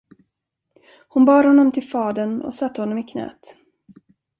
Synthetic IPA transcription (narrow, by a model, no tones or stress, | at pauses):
hʊnbɑːɾhɔnːɔmt̪ʰɪlfɑːd̪ənɔ̰sat̪ːəhɔnːɔmɪkʰnɛ̰ːt̪